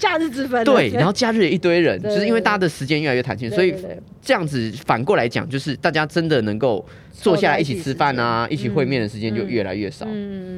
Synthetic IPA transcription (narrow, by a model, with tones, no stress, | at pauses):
t͡ɕja˥˧ɻ̩˥˩t͡s̩˨˩fə˧˦t̪we˥˧˩ɪna˧˦nxo˥˧ʊt͡ɕja˥˧ɻ̩˥˩ji˥˩t̪we˥ɪɻə˧˦nt͡ɕjʊʂɻ̩˥˧i˥nwe˥˩ɪt̪t͡ɕa˥d̪ə˨˩ʂɻ̩˧˥t͡ɕjɛ˥nɥɛ˥˩˨ɥɛ˥˩t̪ʰa˧˦nɕi˥˨nswo˧˥i˨˩ | ʈ͡ʂɤ˥˧jɑ˥˩ŋd͡zɹ̩˨˩fa˨˩nkwɔ˥˩la˧˦ɪt͡ɕjɑ̰˨˩ŋt͡ɕjo˥˧ʊʂɻ̩˥˧t̪a˥˩t͡ɕja˥ʈ͡ʂə˦nd̪ə˨nɤ˧˥ŋko˥˩ʊ | t͡swɔ˥˧ɕja˥˩la˧˦i˥˩t͡ɕʰi˨˩t͡sʰɻ̩˥fa˥˨na˩ʔḭ˥˩t͡ɕʰi˨˩xwe˥˧ɪmjɛ˥˩nd̪ə˩ʂɻ̩˧˥t͡ɕjɛ̃˥nt͡ɕjo˥˧ʊɥɛ˥˩la̰˧˥ɪɥɛ˥˩ʂɑ̰˨˩˦ʊ